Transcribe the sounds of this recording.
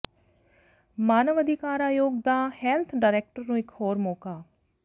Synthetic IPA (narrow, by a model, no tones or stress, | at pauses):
maːnəʋəd̪ʱɪkaːɾaːjoːɡ̚d̪aːhɛːlt̪ʰɖaːɾɛːk̚ʈəɾnũːɪkhoːɾmoːkaː